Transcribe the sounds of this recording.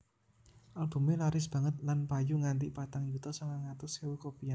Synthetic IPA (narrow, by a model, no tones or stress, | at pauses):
ʔalb̥ṳmelaɾɪsb̥a̤ŋət̪̚lanpajuŋant̪ipat̪aŋjut̪ɔsaŋaŋat̪ʊsewukopia